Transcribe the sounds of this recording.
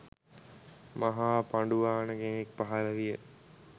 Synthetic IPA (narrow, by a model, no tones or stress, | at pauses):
maɦaːpaɳɖuʋaːnəɡenek̚paɦaləʋijə